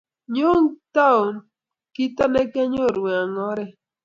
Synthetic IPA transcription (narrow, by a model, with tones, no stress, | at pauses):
ɲo˦ŋta˦o˨n | kɪ˦t̪a˦nɛ˦kɛ˦ɲo˦˨ɾwa˨ŋɔ˦ɾɛ˦